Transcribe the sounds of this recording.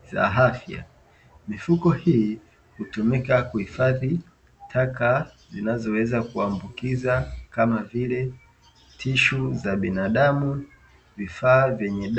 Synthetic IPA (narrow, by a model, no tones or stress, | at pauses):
za̰ɦafja̰ | mifukɔhiː | hutumikakuhifaði | tʰaka | zinazɔwɛzakuambukizakamavilɛ | tʰiʃuzaɓinaɗamu | vifaːvjɛɲɛɗ